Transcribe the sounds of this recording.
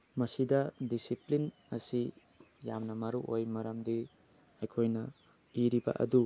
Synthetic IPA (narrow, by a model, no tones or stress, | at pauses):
mɐsidɐdisiplin | ɐsi | jamnɐmɐɾuʔojmɐɾɐmdi | ɐjkʰojnɐ | iɾibɐ̰ʔɐ̰du